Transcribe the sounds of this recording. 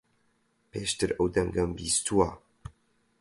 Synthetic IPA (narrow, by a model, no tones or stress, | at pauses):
pʰeːʃt̪ɨɾɐwd̪ɐŋɡɐmbiːst̪ʰuwa